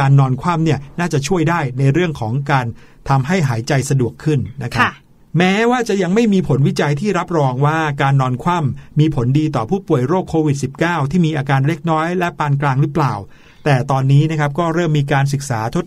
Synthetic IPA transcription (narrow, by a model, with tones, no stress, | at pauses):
aː˧nːɔː˧nkʰwaː˥˩mni˥˩ɐnaː˥˩t͡ɕa˨˩t͡ɕʰu˥˩əjdaː˥˩jna˧jɾɯ˥˩əŋkʰɔː˩˦ŋkaː˧n | t̪ʰa˧mɦa˥˩jɦaː˩˦jt͡ɕa˧jsa˧du˨˩əkʰːɯ˥˩nːa˦˥kʰa˦a˦˥ | mɛː˦˥waː˥˩t͡ɕa˨˩ʔja˧ŋma˥˩jmiː˧pʰo˨˩˦nwi˦˥t͡ɕa˧jt̪ʰiː˥˩ɾa˦˥p̚ɾɔː˧ŋwaː˥˩kaː˧nːɔː˧nkʰwa˥˩mːiː˧pʰo˩˦ndiː˧t̪ɔː˨˩pʰuː˥˩pu˨˩əjɾoː˥˩kʰːoː˧wi˨˩t̪̚si˨˩p̚kaː˥˩wt̪ʰiː˥˩miː˧ʔaː˧kaː˧nle˦˥k̚nɔː˦˥jlɛ˦˥paː˧nklaː˧ŋɾɯ˦˥plaː˨˩w | t̪ɛː˨˩t̪ɔː˧nːiː˦˥na˦˥kʰp̚kɔː˥˩ɾɤː˥˩mːiː˧kaː˧ns̬ɯ˨˩k̚saː˩˦t̪ʰo˦˥t̪̚